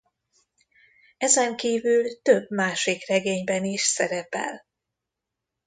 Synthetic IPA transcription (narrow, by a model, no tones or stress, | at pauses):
ɛzɛŋkiːvylt̪øbmaːʃikrɛɡeːɲbɛniʃsɛɾɛpɛ̰l